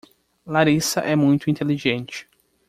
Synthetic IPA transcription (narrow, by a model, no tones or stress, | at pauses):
laɾisɐʔɛmũj̃t̪ʊĩnt̪eliʒẽnt͡ʃɪ̥